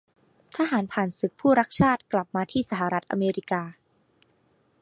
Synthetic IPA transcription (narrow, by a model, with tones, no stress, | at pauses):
t̪ʰaː˧ɦaː˩˦npʰaː˨˩nsɯ˨˩˦k̚pʰuː˥˩ɾa˦˥k̚t͡ɕʰaː˥˩t̪̚kla˨˩p̚maː˧t̪ʰiː˥˩sa˧˩ɦa˨˩ɾa˦˥t̪̚ʔa̰˧meː˧ɾi˦˥kaː˧